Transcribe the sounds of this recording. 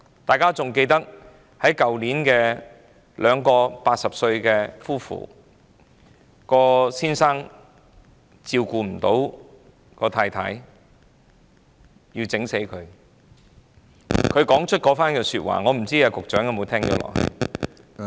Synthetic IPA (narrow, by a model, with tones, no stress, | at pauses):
t̪aː˨jkaː˥t͡sʊ˨ŋke˧jt̪ɐ˥k̚ | hɐ˨˥jkɐ˨wliː˨˥nkɛː˧ | lʔœː˨˧ŋkɔː˧paː˧t̚sɐ˨p̚sɵ˧ɥkɛː˧fuː˥fṵː˨˩ | kɔː˧siː˥nsaː˥ŋ | t͡siː˧wkuː˧m̩˨˩t̪o˨˥w | kɔː˧t̪ʰaː˧jt̪ʰa̰ː˨˥j | jiː˧wt͡sɪ˨˥ŋse˨˥jkʰɵ˨˧ɥ | kʰɵ˨˧ɥkɔː˨˥ŋt͡ʃʰɵ˥t̚kɔː˨˥faː˥nkɛː˧syː˧t̚wa̰ː˨ŋɔː˨˧m̩˨˩t͡siː˥jaː˧kʊ˨k̚t͡ʃœː˨˥ŋjɐ˧mo˨˧wt̪ʰɛː˥ŋt͡ʃɔ̰ː˨˥lɔ̰ː˨k̚hɐ̰˨˧j